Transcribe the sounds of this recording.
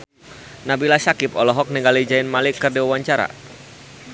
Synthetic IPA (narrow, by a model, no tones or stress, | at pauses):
nabilasakɪpɔlɔɦɔk̚niŋɡalid͡ʒaɪnmalikərdiwawaɲt͡ʃaɾa̰